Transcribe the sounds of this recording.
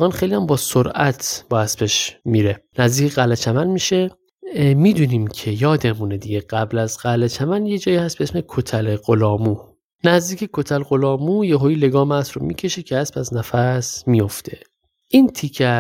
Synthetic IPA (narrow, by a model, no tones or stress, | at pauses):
ɣɑːnxejlijæmbɒːsoɾʔæt̪ʰb̥ɒːæsbeʃmiːɾe̞næzd̪iːcʰeɣælet͡ʃʰæmænmiːʃe | miːd̪uniːmcʰe̞jɒːd̪e̞muned̪iɟe̞ɡæblæzɢælet͡ʃʰæmænjed͡ʒɒːjiːhæst̪beesmekʰot̪ʰæleɢolɒːmuː | næzd̪iːcʰe̞kʰo̞t̪ʰælɡo̞lɒːmujeɦoiːle̞ɡɒːmæsɾomḭcʰe̞ʃecʰehæspæznæfæsmijo̞ft̪ʰe̞ | ʔint̪ʰikʰæ